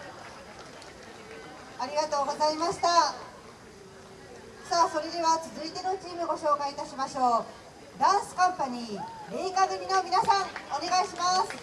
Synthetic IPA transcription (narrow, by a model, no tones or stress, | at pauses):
aɾʲiɡat̪o̞ːɡo̞zaimaɕi̥t̪a | saːso̞ɾe̞d̪e̞βat͡sɨzɨit̪e̞no̞t͡ɕiːmɯ̟ɡo̞ɕo̞ːkaiːt̪aɕimaɕo̞ː | d̪ãɰ̃sɨ̥kãmpaɲ̟iːɾeikaɡɯ̟mʲino̞mʲinasãŋo̞ne̞ɡaiɕimasɨ̥